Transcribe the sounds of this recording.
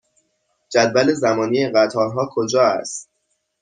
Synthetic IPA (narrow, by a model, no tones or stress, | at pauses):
d͡ʒæd̪væle̞zæmɒːnieɢæt̪ʰɒːɾɦɒːkʰod͡ʒɒːæ̰st̪